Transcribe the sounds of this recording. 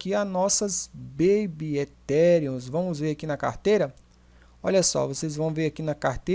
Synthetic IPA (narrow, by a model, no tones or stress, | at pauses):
kianɔsɐzbebiet̪ɛɾiõzvɐ̃w̃mʊzveɾakinɐka̰ɾt̪ejɾɐ | ɔʎɐsɔ̰vosezvɐ̃w̃veɾakinɐkaɾt̪e